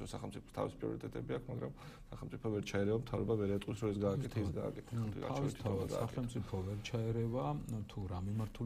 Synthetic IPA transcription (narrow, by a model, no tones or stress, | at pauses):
ɾɔsaχɛlmt̪sʼipʰɔ̥st̪ʰa̰vispʼɾiɔ̰ɾit̪ʼɛt̪ʼɛbiakʰmaɡɾa̰m | saχɛlˠmt̪sʼipʰɔvɛɾt͡ʃʰaɛɾɛvamt̪ʰavɾɔbavɛɾɛt̪ʼisɾɔɛs̬ɡaːk̪ʼɛt̪ʰɛisɡa̰ːkʼɛt̪ʰɛtʰavist̪t̪ʰavaɡasːsaχɛlmt̪sʼipʰɔvɛɾt͡ʃʰaɛɾɛvat̪ʰuɾamimaɾt̪ʰu